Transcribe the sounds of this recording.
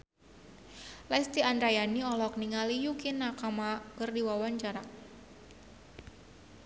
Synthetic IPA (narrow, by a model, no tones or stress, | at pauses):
last̪iandɾajaniɔlɔk̚niŋalijukinakamakɨrdiwawaɲt͡ʃaɾa